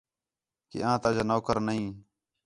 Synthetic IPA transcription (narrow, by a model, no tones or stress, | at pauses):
kḭːãːt̪əəd͡ʒaːnoːkəɾnəɦĩː